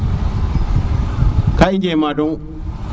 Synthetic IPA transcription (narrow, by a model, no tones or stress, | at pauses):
kaʔɪd͡ʒeːmaːdɔŋ